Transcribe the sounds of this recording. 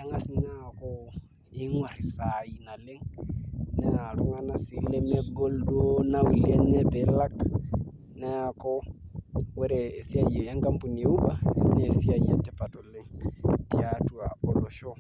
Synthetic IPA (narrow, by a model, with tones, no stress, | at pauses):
a˦ŋa˨si˦ɲa˦˨kɔ | i˦ŋwa˨ɾi˨sai˨na˨le˦ŋ | nɛa˨lu˦ŋa˦na˨si˦lɛmɛ˦ɡɔ˦ldu˦o˦nau˨liɛ˦ɲɛ˦pɛla˦k | nɛ˦a˨kɔ˦ | wɛ˦ɾɛː˨si˦aiɛ˨ja˦ŋka˦mpu˨ni˨e˦u˦ɓa˦nɛ˨si˦a˨iɛ̰tɛ˦pa˨tɔle˦ŋtiatuaɔ˨lo˨ʃɔ˦